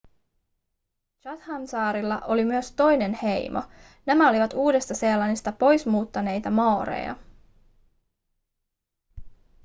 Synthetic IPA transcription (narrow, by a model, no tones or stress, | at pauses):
t͡ʃɑt̪hɑnsɑːɾilːɑʔo̞limyøst̪o̞jne̞nhe̞jmʔo̰ | næmæo̞liʋɑt̪uːde̞st̪ɑselːɑnist̪ɑpo̞jsmuːt̪ːɑne̞jt̪ɑmɑːɾḛjɑ̰